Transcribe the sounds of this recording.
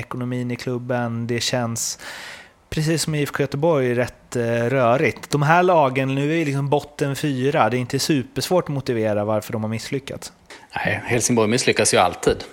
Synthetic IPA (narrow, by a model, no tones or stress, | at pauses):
ɛkʊnʊmiːnɪkʰlɵbːənd̪ɛɕɛns | pʰɾɛsiːsːɔmjɪfkʰjœt̪əbɔɾjæɾɛt̪ːɾœːɾɪt̪d̪ɔmɦæːɭɑːɡənnʉ̟ːæɾvɪlɪksɔmbɔt̪ːənfyːɾad̪ɛɪnt̪əæʂʉ̟ːpəʂvoːʈɔmʊt̪ɪveːɾavaɾfœɖɔmhaɾmɪsːlʏkːa̰t̪s | næɪhɛlsɪŋbɔɾjmɪslʏkːasjɵa̰lt̪ʰiːd̪